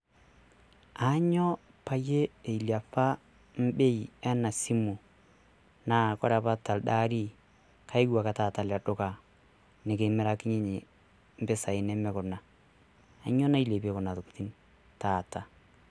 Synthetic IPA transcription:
a˨˦ɲɔ˦ | pa˦je˦e˨i˨lja˨fa˦ | m̩˦be˦iɛ˦na˨si˦mu˨ | na˦kɔ˦ɾa˨pa˦ta˨lda˦ɾi˦ | kʰa˦i˦ɡwa˨ka˨taː˦˨ta˨˦lɛ˨dʊ˦ka˨ | nɪ˨ke˨mɛ˦ɾa˦kɪ˦ɲɪ˦ɲe˨ | m̩˦pɪ˦sa˨ɪ˨nɛ˦mɛ˦kʊ˨ɾna˨ | a˨ɲɔ˦na˦i˦le˨pe˦kʊ˨na˨tʊ˨ku˨ti˦n | taː˨ta˨

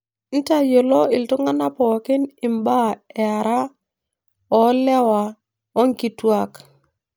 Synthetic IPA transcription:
n̩˦ta˦jo˨lɔ˦ɪ˨ltʊ˦ŋa˦na˦pɔ˨kɪ˦nɪ˨mba˦ɛ˨a˨ɾa˦ | ɔ˨˦lɛ˦wa˨ | ɔ˦ŋ˦ki˨twa˦˨k

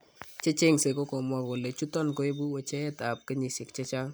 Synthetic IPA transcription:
t͡ʃe˦t͡ʃe˦ŋse˨ko˦kɔ˨mwa˦ko˨lɛ˨t͡ʃu˦tɔ˦nko˦e˦bu˦wɛ˨t͡ʃɛ˦ɛ˦ta˨p̚ke˦ɲi˨sɪ˨kt͡ʃe˦t͡ʃa˦ŋ

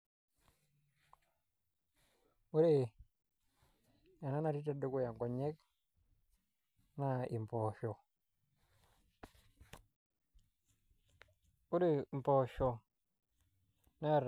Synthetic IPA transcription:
u˦ɾi˦˨ | ja˨na˦na˨ɾi˦ta˨du˦ku˦˨ja˨ŋko˨ɲe˦k | na˦i˨mpo˨ʃo˨ | u˦ɾi˦˨m˨po˨ʃo˨ | na˦a˨ɾ

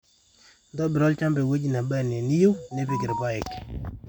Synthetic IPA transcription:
ndɔ˦bɪ˨ɾɔ˦lt͡ʃa˦mbɛ˨we˦d͡ʒna˨ba˦ne˨ni˦ju˦ne˦pɪ˦˨ɡɪ˨ɾpa˦ɛ˨k

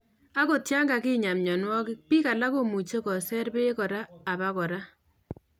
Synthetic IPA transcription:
a˦ko˨tja˦ŋɡa˨kɪ˦ɲa˨mɲɔ˨nwɔ˦kɪ˦pi˦ka˨la˦ko˦mu˨t͡ʃe˦kɔ˨sɛ˦rbe˦kɔ˨ɾaː˦˨ba˦kɔ˨ɾa˦

